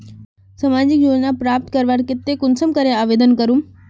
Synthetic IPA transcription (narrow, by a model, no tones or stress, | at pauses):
səmad͡ʑikjunapɾap̚t̪kəɾʋaɽket̪ːekunsəmkəɾeaʋed̪ənkəɾuːm